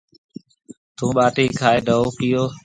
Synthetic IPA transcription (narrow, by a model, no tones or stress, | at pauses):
t̪ũːɓaːʈiːkʰaːeːɖʱəoːkɪjoː